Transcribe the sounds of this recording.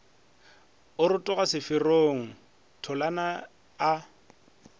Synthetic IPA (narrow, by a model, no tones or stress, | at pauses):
ʊɾʊtʼʊɣasɪfɪroːŋ̩ | tʰɔlanaː